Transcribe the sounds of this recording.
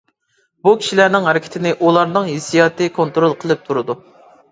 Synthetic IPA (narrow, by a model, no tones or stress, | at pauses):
bukʲʰi̥ʃilæɾnɪŋɦɛɾɪkʲʰɪ̥t̪ʰɪnɪʔulˠɑɾnɨŋɦesijɑːt̪ɨkʰont̪ɾolˠqʰəlˠɨp̚t̪ʰuɾɨd̪u